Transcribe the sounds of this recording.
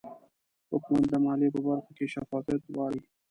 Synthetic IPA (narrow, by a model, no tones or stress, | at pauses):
hʊkmand̪əmɑlepəbaɾxokeʃafɑfjat̪wɑɽi